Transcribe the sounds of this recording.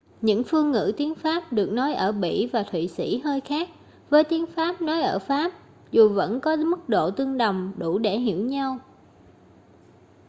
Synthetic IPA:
ɲɨ̰˧˥ŋfɨ˧əŋːɨ̰˧˥t̪i˨˦ənfaː˦˥p̚ɗɨ˨˩ək̚nɔ˨˦jʔəː˧˩ɓḭ˧˨vaː˨˩t̪ʰwḭ˧˨sḭ˧˥həː˧jxaː˦˥k̚ | vəː˨˦jt̪i˨˦ənfaː˦˥p̚nɔ˨˦jʔəː˧˩faː˦˥p̚ | zu˨˩və̰˧˥nkɔ˨˦mɨ˦˥k̚ɗo̰˧˨t̪ɨ˧əŋɗə˨˩wŋ͡mɗu˧˩ɗe˧˩ɦḭ˧˩əwɲa˧w

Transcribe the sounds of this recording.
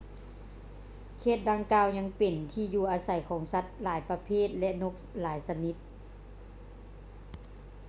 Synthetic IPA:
kʰeː˧˩t̪̚da˧ŋkaː˧wɲa˧˥ŋpe˨˩nt̪ʰiː˧juː˧˩ʔaː˧sa˨˩jkʰɔː˩˦ŋsa˧˦t̪̚laː˨˩˦jpa˧pʰeː˥˨t̪̚lɛ˧ʔno˧˥k̚laː˩˦jsa˧ni˧˦˥t̪̚

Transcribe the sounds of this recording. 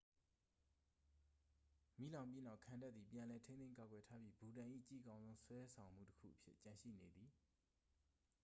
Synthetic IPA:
mḭ˦˨lã˨ʊ̃mp̬ji˦na˦ʊʔkʰã˨nda˦t̪ði˨pjã˨lɛ˨tʰẽ˦nẽ˦ŋka˨ɡwɛ˨tʰa˦bji˦bu˨ɾã˨ʔḭ˦˨t͡ɕḭ˦˨kã˦ʊ̃nzõ˦ʊ̃swɛ˦sʰã˨ʊ̃m̥ṵ˦˨tə̥kʰṵ˦˨ʔəpʰjɪ̰˦ʔt͡ɕã˨ʃḭ˦˨ne˨d̪i˨

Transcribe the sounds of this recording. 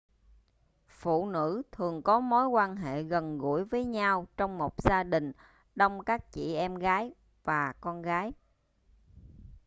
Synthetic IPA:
fṵ˧˨nɨ̰˧˥t̪ʰɨ˨˩əŋkɔ˨˦mo˨˦jkwaː˧nɦḛ˧˨ɣə˨˩nɣṵ˧˩əjvəː˨˦jɲa˧wt͡ɕɔ˧wŋ͡mmo˨˩t̚z̥aː˧ɗï˨˩ŋ̟ | ɗə˧wŋ͡mkaː˦˥k̚t͡ɕḭ˧˨ʔɛ˧mɣaː˨˦j | vaː˨˩kɔ˧nɣaː˨˦j

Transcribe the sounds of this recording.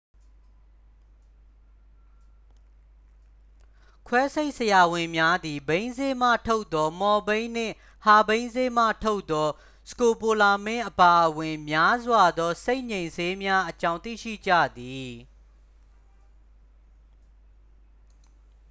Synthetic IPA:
kʰwɛ˦se˦ɪʔsəja˨wɪ̃˨mja˦d̪i˨bẽ˦ɪ̃nze˦m̥ä̰˦˨tʰo˦ʊʔt̪̚ːɔ˦mɔ˨bẽ˦ɪ̃n̥ɪ̰̃˦˨ | ha˨bẽ˦ɪ̃nze˦m̥ä̰˦˨tʰo˦ʊt̪t̪ːɔ˦ | sə̥ko˨po˨la˨mɪ̃˦˨ʔəpa˨ʔəwɪ̃˨mja˦zwa˨d̪ɔ˦se˦ɪʔɲẽ˨ɪ̃nze˦mja˦ʔət͡ɕã˦ʊ̃t̪ḭ˦˨ʃḭ˦˨d͡ʑä̰˦˨d̪i˨

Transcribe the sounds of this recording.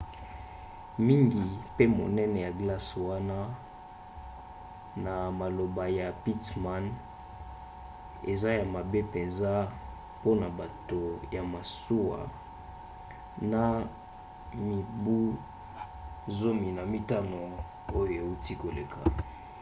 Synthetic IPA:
mi˦ŋɡi˨pe˦mo˨nɛ˦nɛ˨ja˨ɡla˦swa˦na˦ | na˨ma˨lo˨ba˨ja˨pi˦tma˦n | ḛ˨za˦ja˨ma˨be˦pe˨nza˦ | po˦na˨ba˨to˨ja˨ma˨su˦wa̰˨ | na˨ | mi˨bu˦ | zo˦mi˨na˨mi˦ta˦no˨ | o˦jo˨e˨u˦ti˦ko˨le˨kʰa̰˨

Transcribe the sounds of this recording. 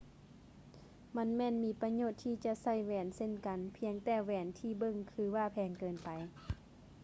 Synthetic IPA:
ma˧˥nmɛː˧˨nmiː˨˧˥pa˧ɲoː˧˩t̪ʰːiː˧˩t͡ɕa˧sa˧˩˨jwɛː˨˩nse˧˨nka˨npʰi˧əŋt̪ɛː˧˩wɛː˨˩nt̪ʰiː˧˩bɤ˧˨ŋkʰɯː˧˦waː˧˩pʰɛː˨˧ŋkɤː˨npa˨j

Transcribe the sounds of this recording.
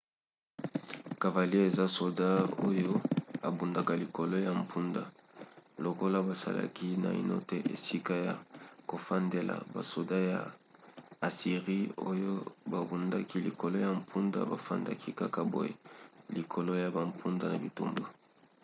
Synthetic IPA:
ka˨va˨li˦e˦e˨za˦so˨da˦o˦jo˦a˨bu˨nda˨ka˨li˨ko˨lo˦ja˨m̩˨pʰu˦nda˨lo˨ko˦la˦ba˨sa̰˨la̰˨ki˦na̰˨ḭ˨no̰˦te˦ʔḛ˨si˦ka˦ja˨ko˨fa˦nde˨la̰˨ba̰˨so˨da˦ja̰˨ | a˨si˨ʁi˦o̰˦jo˦ba˨bu˨nda˦ki˦li˨ko˨lo˦ja˨m̩˨pʰu˦nda̰˦ba˨fa̰˦nda̰˦kʰi˦ka˦ka˦bo̰˨jḛ˨li˨kʰo˨lo˦ja˨ba˨mpʰu˦nda˦˨na˨bi˨tu˦mbo˨

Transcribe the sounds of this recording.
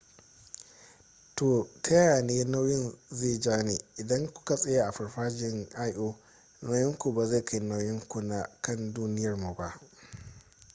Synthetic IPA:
toː˨tɐ˦jaː˨neː˦na˦wjɪ˦nzeː˦˨d͡ʒaː˦neː˨ʔɪ˨dɐ˦ŋkʷʊ̥˦ka˨sʼɐ˦ja˦ʔa˨ɸɐ˨rɸaː˦d͡ʒɪ˦ŋʔa˦jʔoː˦ | na˦wjɪ˦ŋkʷu˨ba˨za˦˨kʰa˦ji˨na˦wjɪ˦ŋkʷu˨na˨kɐ˦nduː˦nɪ˦jɐ˨rmu˨ba˨ʔ

